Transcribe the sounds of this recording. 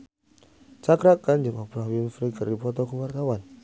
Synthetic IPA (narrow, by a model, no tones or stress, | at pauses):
t͡ʃakɾakːand͡ʒimapɾawinfɾikəripɔt̪ɔkuwart̪awan